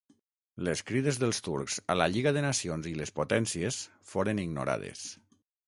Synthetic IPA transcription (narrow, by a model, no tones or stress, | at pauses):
leskɾiðezðəlˠst̪uɾkz̥a̰laʎiɣaðenasionzilespot̪ɛnsies | foɾəniɡno̰ɾa̰ð̞ḛs